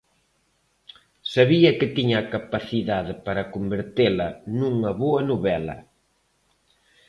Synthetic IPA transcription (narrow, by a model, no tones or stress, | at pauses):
saβiɐkɪt̪iɲɐːkapaθiðaðɪpaɾɐkombeɾt̪elɐnuŋɐβoɐnuβɛlɐ̰